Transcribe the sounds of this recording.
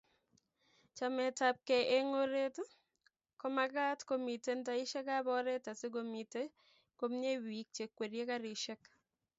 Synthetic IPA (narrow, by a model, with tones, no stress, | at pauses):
t͡ʃa˨mɛ˨ta˨p̚kɛ˨ʔe˦ŋo˦ɾe˦t | kɔ˦ma˦ɡa˦tko˦mi˨te˦nta˦ɪ˦ʃɛ˦ka˦bɔ˦ɾe˦ta˨se˦ɡo˨mi˨te˦ | ko˦mɲe˦wi˨k̚t͡ʃe˨kːwe˨ɾje˦ka˦ɾɪʃɛ˦k